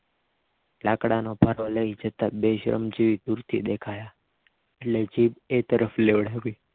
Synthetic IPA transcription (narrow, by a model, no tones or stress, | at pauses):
lakɽanobʱaɾoləid͡ʒət̪abeʃɾə̰md͡ʒiʋid̪uɾt̪ʰḭd̪ekʰaja | eʈled͡ʒibet̪əɾəfleʋɽ̤aʋi